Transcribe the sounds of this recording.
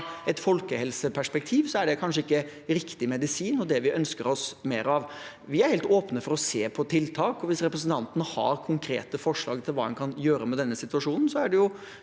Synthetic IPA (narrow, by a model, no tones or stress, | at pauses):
ɛt̪fɔlkəhɛlsəpʰæʂpɛk̚t̪ʰiːʋsɔæɖɛkʰɑnʂəɪkːə | ɾɪkt̪ɪmɛd̪ɪsiːnɔd̪ɛʋɪʔœnskəɾɔsmeːɾɑʋ | ʋɪæɾhɛːlt̪oːpnəfɔɾɔseːpʰɔt̪ʰɪlt̪ʰɑːkɔʋɪsɾɛpɾəsənt̪ʰɑnt̪ənəhɑ̰ɾkʰʊŋkʰɾḛːt̪əfɔʂɭɑːɡt̪ʰɪlʋɑ̰ːɛ̰nkʰɑnjøːɾəmɛd̪ɛnːəsɪt̪ʉʋɑʂuːnn̩sɔæɖɛjʊ